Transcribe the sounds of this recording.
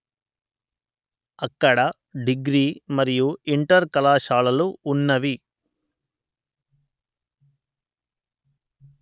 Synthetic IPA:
ɐkːɐɽɐ | ɖiɡɾiːmɐɾijuiɳʈɐɾkɐlaːʃaːlɐluːnːɐʋi

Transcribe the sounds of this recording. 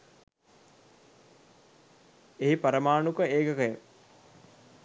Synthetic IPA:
eɦipɐɾəmaːnukəeːkəkəjə

